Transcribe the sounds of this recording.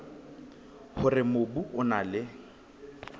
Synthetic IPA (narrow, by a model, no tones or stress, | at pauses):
hʊrɪmobuʔʊnalɪ